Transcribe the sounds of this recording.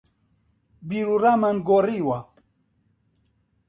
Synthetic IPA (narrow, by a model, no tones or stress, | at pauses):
biɾuɾamanɡoɾiwa